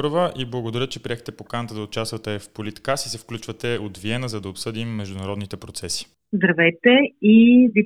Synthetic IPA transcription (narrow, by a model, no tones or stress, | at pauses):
ɾvəʔiblˠəɡod̪ɐɾʲət̪̚t͡ʃɛpɾiɛxt̪ɛpokanət̪əd̪ɐot͡ʃast̪vət̪ɛfpolit̪kasisɛfklʲut͡ʃvət̪ɛod̪viɛnəzɐd̪ɐopsɤd̪imːɛʒd̪ʊnɐɾɔd̪nit̪ɛpɾot̪sɛsi̥ | zd̪ɾɐvɛjt̪ɛivi